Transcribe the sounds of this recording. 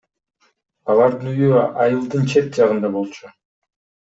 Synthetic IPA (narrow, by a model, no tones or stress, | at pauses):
ɑlˠɑɾd̪ɯnyjyɑjɯlˠd̪ɯnt͡ʃʰe̞t̪̚d͡ʒɑʁɯnd̪ɑbo̞lˠt͡ʃʰu